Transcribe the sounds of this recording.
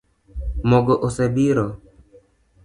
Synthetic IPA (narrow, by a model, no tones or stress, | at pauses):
mɔɡoʔosebiɾɔ